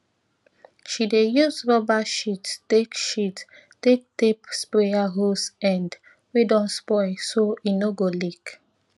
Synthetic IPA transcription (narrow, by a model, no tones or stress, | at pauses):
ʃidejusɹɔbaʃittekʃit | tek̚tepspɾeaɦosɛ̃nd | wedɔ̃nspɔɪsoinoɡolik